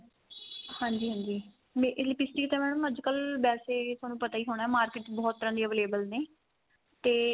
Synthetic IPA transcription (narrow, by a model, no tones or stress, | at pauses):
hãːɲd͡ʒiːɦãːɲd͡ʒiː | mẽːʔɪsliːpɪsʈiːkɪt̪ẽːmɛːɽ̃ũːəd͡ʒkəlbɛːseːt̪oaːnũːpət̪aːiːɦoːɽ̃aːɛːmaːɾkɪʈbɔːt̪ːəɾãːd̪iːəʋeːleːbəlneː | t̪eː